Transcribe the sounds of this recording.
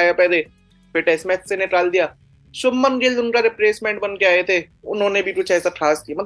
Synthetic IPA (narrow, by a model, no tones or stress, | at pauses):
aːjapɛːd̪eː | beʈɛːsmɛ̃ːt̪seneʈaːld̪ijaː | ʃʊmːənɡelʊnkaɾɪpɾeːsmɛ̃ːɳʈ̚bɐnkeaːet̪ʰeʊ̰nɦõːnebʱipʊt͡ʃʰɛːsaʈʰɾaːsʈ̚kijamɐt̪